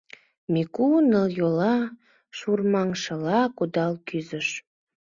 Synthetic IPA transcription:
mikunəljolɑ | ʃurmɑŋʃəlɑkud̪ɑlkyzəʃ

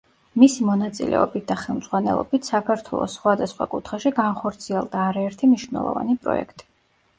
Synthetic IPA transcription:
misimɔnat̪sʼḭlʔɛ̰ɔbit̪̚ʰd̪aχɛlˠmd̪zʁwanɛlˠɔ̰bit̪ʰsakʰaɾt̪ʰwɛ̰lˠɔ̰sːχwad̪asχwa̰kʼut̪ʰχaʃiɡanχɔɾt̪sʰiɛlˠd̪aːɾaɛɾt̪ʰimniʃvnɛ̰lˠɔ̰va̰nipʼɾɔ̰ɛ̰kʰt̪ʼi̥

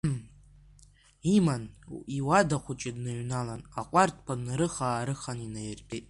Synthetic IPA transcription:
imaniwadaχʷʰʊt͡ʃʼɪdnaɥnalanaqʷʼartʰʼpʰʷanɾɨχaːɾɨχaninajɪrpʰʼetʼ

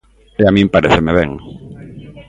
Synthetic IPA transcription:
eamĩmpaɾeθemeβɛ̰ŋ

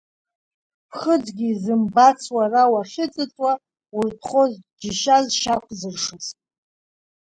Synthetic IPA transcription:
pʰχəd͡zɡʲizɨmbat͡sʰwarawaχʲɪt͡sʼɨt͡sʼwa | wurtʰχozd͡ʒɪʃazʃakʷʰzɨrʂɨsʼ

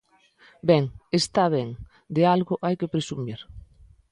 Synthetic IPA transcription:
bɛŋest̪aβɛŋ | d̪ealɣʊʔajkepɾesumiɾ

